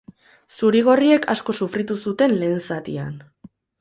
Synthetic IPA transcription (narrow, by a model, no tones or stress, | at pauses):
suɾiɣ̞o̞rie̞kʰa̰sko̞sufɾit̪usut̪e̞nle̞ːnsat̪ian